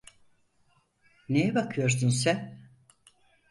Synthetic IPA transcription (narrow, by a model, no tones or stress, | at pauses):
nejɛbakʰɯjo̞ɾs̬unsɛn